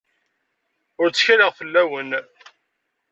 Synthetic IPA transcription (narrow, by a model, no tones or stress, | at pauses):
ʊɾt͡sːçæləʁfəlːæwən